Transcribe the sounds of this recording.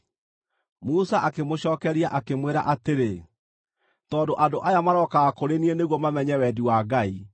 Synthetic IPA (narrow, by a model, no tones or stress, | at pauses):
musaʔakemoɕɔːkɛɾiaʔakemweɾa̰ʔateɾe | tɔndoʔadoʔajamaɾɔkaɣakoɾenieneɣwɔmamɛɲɛwɛdiwaɡai